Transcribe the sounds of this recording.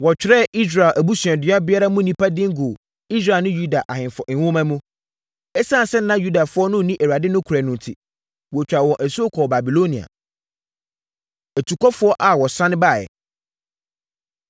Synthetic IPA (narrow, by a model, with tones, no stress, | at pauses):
wɔ˨t͡ɕᶣɪ˨ɾɛ˦˨i˦s̬ɾa˨lʔæ˨bu˦sɥɛ̃˨dɪ˨˦ã˦bɪ˦a˦ɾa˦mʊ̃˦nĩ˦pʰa˦dɪ̃˦ŋ˦ɡo˨ | i˦s̬ɾa˦˨nʊ̃˦ju˦da˨ʔa˨hɪ̃˨fɔ˨ʔɪ̃˨wʊ̃˦mã˦mũ˦ | ɛ˦sã˦˨sɛ˦n˦nã˦ju˦da˨fʊ˦ɔ˦nʊ̃˦˨nĩ˦ʔæ˨wa˨dɪ˦nʊ̃˦kʰu˨ɾæ˨nʊ̃˨n˨tʰi˨ | wɔ˨t͡ɕᶣɾa˨wɔ̃˨ʔæ˨su˦o˦kʰɔː˨ba˨bi˨lo˦nĩ˨a̰˨ | æ˨tʰu˨kʰɔ˦fʊ˦ɔ˦ʔa˨wɔ˨sã˦ñ˦baː˦˨jɛ̰˨